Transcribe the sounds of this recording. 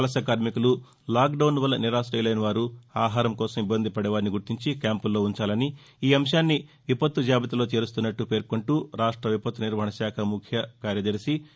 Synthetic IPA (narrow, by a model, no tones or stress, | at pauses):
ɐlɐsɐkaːɾmikulu | laːk̚ɖɐwnʋɐlːɐniɾaːsɾɐjlɐjnɐʋaːɾuaːɦaːɾɐmkɔːsɐmibːɐnd̪ʱipɐɽɛʋaːɾniɡuɾt̪iɲt͡ʃikʲaːmpulːo̞ːuɲt͡ʃaːlɐni | iːɐmʂaːnːi | ʋipɐt̪ːud͡ʒaːbɐt̪ɐlo̞ːt͡ʃe̞ːɾust̪unːɐʈːupe̞ːɾkuɳʈuɾaːʂʈɾɐʋipɐt̪ːuniɾʋɐɦɐɳɐʃaːkʰɐmukʰjɐkaːɾjɐd̪ɐɾisi